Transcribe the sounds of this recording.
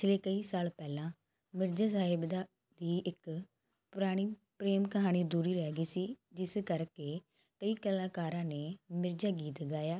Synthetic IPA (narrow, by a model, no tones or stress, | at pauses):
pɪt͡ʃʰleːkəiːsaːlpɛːlãː | mɪɾd͡ʒaːsaːɦɪbd̪a | d̪iːɪk | pʊɾaːɽ̃iːpɾeːmkəɦaːɽ̃iːd̪uːɾiːɾɛːɡiːsiːd͡ʒɪskəɾkeː | kəiːkəlaːkaːɾãːneːmɪɾd͡ʒaːɡiːt̪ɡaːjaː